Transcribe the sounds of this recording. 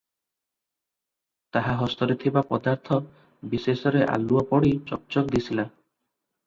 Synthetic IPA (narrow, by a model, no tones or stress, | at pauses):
t̪aɦaɦɔst̪ɔɾet̪ʰibapɔd̪aɾt̪ʰɔ | bisesɔɾeʔa̰luapɔɽit͡ʃɔk̚t͡ʃɔkd̪isʰila